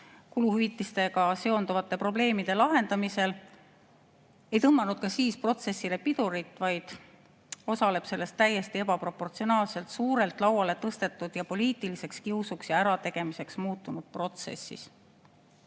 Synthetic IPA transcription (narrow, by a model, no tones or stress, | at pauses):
kuluhyvit̪ːˑist̪e̞ɡ̥ɑse̞o̞nd̪uvɑt̪ːˑe̞pro̞ble̞ːmid̪̥e̞lɑɦe̞nd̪̥ɑmise̞l | e̞jt̪ɤmːɑnud̪̥kɑsiːspro̞t̪se̞sːile̞pid̪̥uɾit̪ːˑvɑjd̪̥ | o̞sɑle̞b̥se̞lːe̞st̪ːæjːe̞st̪ie̞bɑpro̞pːo̞rt̪sio̞nɑːlse̞lt̪suːɾe̞lt̪ˑlɑwɑle̞t̪ɤst̪e̞t̪ːˑud̪̥jɑpo̞lʲiːt̪ˑilise̞kskiusuksjɑæɾɑt̪e̞ɡ̥e̞mise̞ksmuːt̪ːˑunud̪̥̚pro̞t̪se̞̰sːḭs